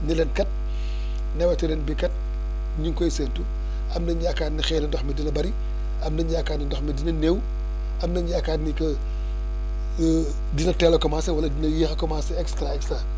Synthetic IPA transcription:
nilɛnkɐt̚ | nɛwɐtɐlɛnbikɐt̚ | ɲuŋkɔjseːntu | ɐmnɐɲɟiɐkaːnnixɛːnɐdɔxmidinɐbɐɾi | ʔɐmnɐɲɟiɐkaːnnidɔxmidinɐnew | ʔɐmnɐɲɟiɐkaːnnikɐ | dinɐtɛːlɐkɔmaːsɐwɐlɐdinɐjixɐkɔmasɛɛkstɾaɛkstɾa

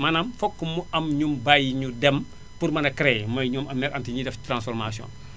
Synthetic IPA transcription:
mɐnɐmfɔkːumuɐmɲumbajiɲudɛm | purmɐnɐkɾɛmɐjɲɔːmɐmnɛɾɐntiɲidɛftɾãnsfɔɾmasjɔ̰̃ːn

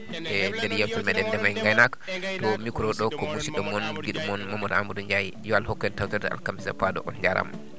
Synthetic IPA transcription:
ʔɛndɛɾjafulmɛɗɛndɛmajŋɡajnaktɔmikɾɔɗɔkɔmusiɗɔmɔnɡiɗumɔnmamɔdamuduɲd͡ʒajijɔalhɔkːɛntawtɛɾdɛa̰lkamisa̰padɔ̰ʔɔnd͡ʒaɾa̰m

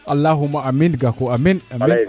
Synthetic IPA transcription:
alːaɦumːaʔaminɡakoaminami

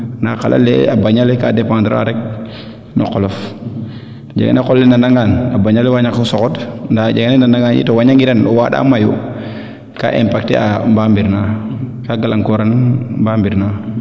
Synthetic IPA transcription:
naqalʔa̰lːɛ̰abaɲalekadɛpãːndɾ̰a̰ɾɛk̚ | nɔ̰qɔlɔf | tɔd͡ʒa̰ɡa̰nekɔlːɛnandaŋɡanabaɲalɛwaɲakusɔkɔtndaɟaɡanɛnandaŋɡanḭtɔwaɲaŋiɾanɔwaɗa̰majṵ | ka̰ːʔɛmpak̚tɛ̰a̰mbambiɾnakaɡalaŋkɔɾanmbaːmbiɾna

